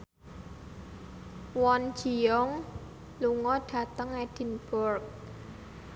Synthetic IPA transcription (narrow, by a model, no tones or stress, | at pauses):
wɔn̥d͡ʒijɔŋ | luŋɔɖ̥ä̤t̪əŋɛd̥i̤nb̥ʊrk̚